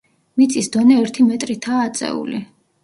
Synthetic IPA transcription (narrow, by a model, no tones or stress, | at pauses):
mit̪sʼisd̪ɔnɛɛɾt̪ʰimɛt̪ʼɾit̪ʰaːt̪sʼɛ̰ṵli